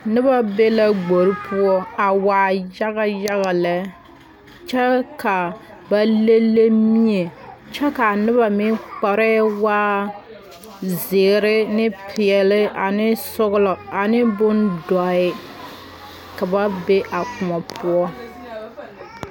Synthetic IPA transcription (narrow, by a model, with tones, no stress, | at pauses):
nɪ˦ba˦be˦la˦ɡ͡bo˨ɾi˦pʰu˦ɔ˦a˨waː˨ja˦ɣa˦ja˦ɣa˨lɛ˦ | t͡ʃɛ˦ka˨ | ba˦le˦lːe˦mi˦e˨t͡ʃɛ˦ka˨nɪ˦ba˨mɪ˦k͡pa˨ɾɛ˦waː˦ | zɪ˨ɾɪ˦nɪ˦pʰɪ˨ɛ˨lɪ˦a˨nɪ˦sʊ˦ɣʊ˦lɔ˨a˨nɪ˦bʊ˦ndɔ˨ɪ˦ | ka˨ba˦be˦ʔa˨kʊ˨mɔ˨pʰʊ˦ɔ˦